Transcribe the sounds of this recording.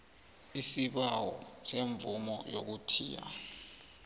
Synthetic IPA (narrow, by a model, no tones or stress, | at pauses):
isiɓawɔseɱb̪vumɔjo̰k̬utʰḭːja̰